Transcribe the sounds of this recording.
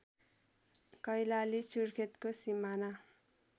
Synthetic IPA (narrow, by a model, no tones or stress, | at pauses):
kʌjlalisurkʰet̪kosimana